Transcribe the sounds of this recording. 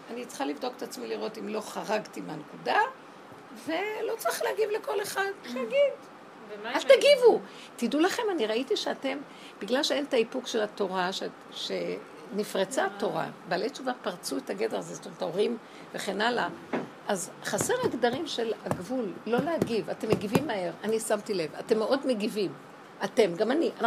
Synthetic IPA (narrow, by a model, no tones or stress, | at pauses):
anit͡sχalivd̪o̞ke̥t̪at͡smiliʁo̞timlo̞χaʁaɡtimeanekuda | ve̞lo̞t͡sʁiχlehaɡivleko̞leχadleaɡid | aztaɡivu | tidulaχe̞maniʁaitiʃeate̞m | biɡlalʃeentaipukʃe̞lato̞ʁaʃe | ʃe | nifʁet͡sato̞ʁa̰balet͡ʃuvapaʁt͡suetaɡe̞deazest̪omtaoʁim | ve̞χenalaʔazχase̞ʁeɡdaʁimʃe̞laɡvulːo̞lehaɡivatemːeɡivimːae̞ʁanisamtile̞vate̞mːeʔo̞dmeɡivim | ate̞mɡamaniʔana